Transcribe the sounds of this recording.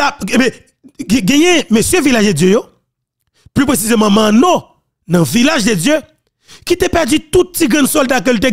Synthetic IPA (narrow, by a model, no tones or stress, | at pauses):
aebɛ̃ | ɡ̃ɡɛ̃jɛ̃mesjøvilaʒded͡zjøjo | plypʁesizemãmãnɔ̃ | nɐ̃vilaʒded͡zjø | kit̪epɛʁd͡zyt̪ut̪̚ːiɡʁɐ̃nd̪sɔld̪akelt̪e